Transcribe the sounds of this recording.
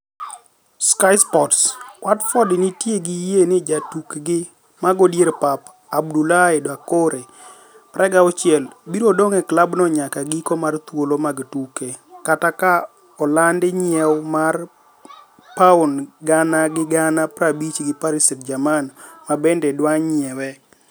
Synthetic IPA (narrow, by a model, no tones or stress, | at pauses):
skajspɔtskwatfɔdɪnɪtjeɡijenɪd͡ʒatukɡɪ | maɡodjeɾpap | abdulaedwakoɾe | pɾʔɛɡaɔt͡ʃɪɛlbiɾodoŋɛklabnɔɲakaɡikɔmart̪wolomaɡtukekataka | ɔlandɪɲɪɛwmar | paʊnɡanaɡɪɡanapɾabit͡ʃɡɪpaɾisitd͡ʒamanmabɛndɛdwaɲɪɛwɛ